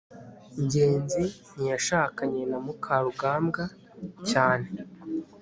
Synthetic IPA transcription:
ɲɟe̞ːnzin̥ijaʃaːkaɲe̞namukʰaɾuɡaːmɡa | caːne̞

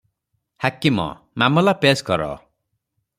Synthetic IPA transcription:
hakimɔ̰ | mamɔlapeskɔɾɔ̰

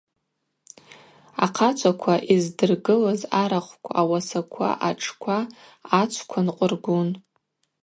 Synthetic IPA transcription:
a̰qʰat͡ʃʷʰakʷʰaʔizdɨrɡɨlazaɾaχʷkʷʰawasakʷʰa̰ʔaʈ͡ʂʼʰkʷʰaː | t͡ʃʷʰkʷʰanqʷʼʊrɡʷʊn

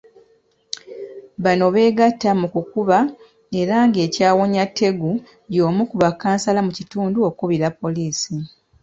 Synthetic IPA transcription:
βano̞βe̞ːɡatːamukukuβa | e̞ɾaːŋɡe̞ːcaːwo̞ɲatʰːe̞ɡu | jo̞ːmukuβakːaːnsalamucituːnduo̞kuβiɾapːo̞liːsi

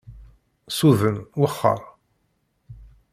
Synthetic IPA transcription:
suðənwəχːə̰ɾˤ

